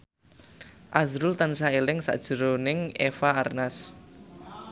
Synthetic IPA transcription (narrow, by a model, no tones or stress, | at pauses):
ʔazɾʊlt̪ansaelɪŋsa̰d̥ʒ̥ə̤ɾonɪŋefaːrnas